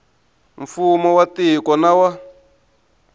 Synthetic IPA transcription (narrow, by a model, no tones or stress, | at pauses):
ɱfumɔwatikɔnawa